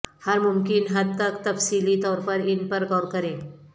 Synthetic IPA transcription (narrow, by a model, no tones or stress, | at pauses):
həɾmumkinɦəd̪t̪ːəkt̪əfsilit̪ɔɾpəɾinpəɾkɔɾkəɾẽ